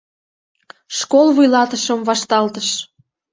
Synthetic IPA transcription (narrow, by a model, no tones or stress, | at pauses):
ʃkolβujlɑt̪əʃəmvɑʃt̪ɑlt̪əʃ